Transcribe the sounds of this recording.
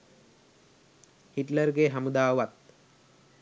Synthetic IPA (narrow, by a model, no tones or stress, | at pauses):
hiʈlərɡeɦamud̪aːʋat̪̚